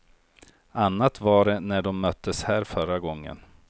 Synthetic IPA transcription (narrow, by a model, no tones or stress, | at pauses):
anːat̪vaɖɛnæɖɔmːœt̪ʰːəshæːɾfœɾaɡɔŋːə̰n